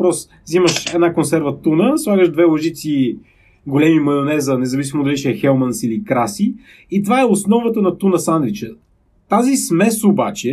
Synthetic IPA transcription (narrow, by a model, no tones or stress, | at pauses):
pɾɔs | ziməʃɛd̪nakonsɛɾvət̪unəslˠaɡəʒd̪vɛlˠɐʒit̪si | ɡolɛmimɐjonɛzɐnɛzɐvisimod̪ɐliʃɛɛxɛlˠmɐnsilikɾasi | it̪vaɛosnɔvət̪ənɐt̪unəsand̪lit͡ʃɛ | t̪azismɛsobat͡ʃɛ